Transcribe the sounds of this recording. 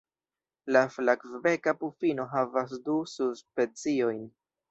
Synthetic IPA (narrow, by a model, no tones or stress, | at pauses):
laflakvve̞kapufino̞ɦavasdususpe̞t͡sio̞jn